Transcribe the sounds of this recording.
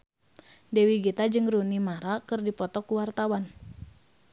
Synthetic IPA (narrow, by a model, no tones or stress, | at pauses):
dɛwiɡit̪ad͡ʒɨŋɾunimaɾakɨrdipɔt̪ɔkuwart̪awan